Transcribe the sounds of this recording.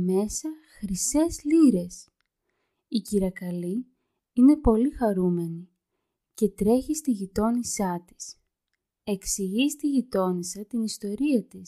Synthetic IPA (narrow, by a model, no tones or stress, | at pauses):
me̞sɐxɾise̞zliɾe̞s | iciɾɐkɐli | ine̞po̞lixɐɾume̞ni | ce̞t̪ɾe̞çist̪iʝit̪o̞nisɐt̪i̥s | e̞ksiʝist̪iʝit̪o̞nisɐt̪inist̪o̞ɾiɐt̪is